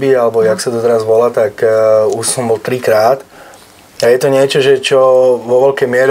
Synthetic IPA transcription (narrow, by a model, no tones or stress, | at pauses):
bialɛbɔjaksad̪ɔt̪ɛɾazʋɔlat̪akuʃsɔmbɔlt̪ɾikɾaːt̪ | ajɛt̪ɔɲɪɛt͡ʃɔʒɛt͡ʃɔʋɔʋɛlkɛjmɪɛɾ